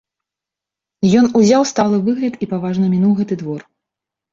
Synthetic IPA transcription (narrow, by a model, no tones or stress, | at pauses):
jɔnuzʲawst̪alˠɨvɨɣlʲɐt̪ipavaʐnɐmʲinuwɣɛt̪ɨd̪vɔr